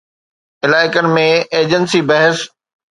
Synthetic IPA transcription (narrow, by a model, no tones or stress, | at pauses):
ɪlaːɪkənɪ̆mẽeːd͡ʑənsibɐɦɪs